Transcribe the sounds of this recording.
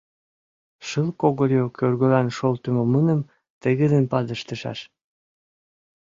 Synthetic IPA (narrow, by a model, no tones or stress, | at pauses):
ʃəlkoɣoljokørɣø̆lɑnʃolt̪ə̆momənə̆m | t̪əɣə̆d̪ənpɑd̪əʃt̪ə̆ʃɑ̰ʃ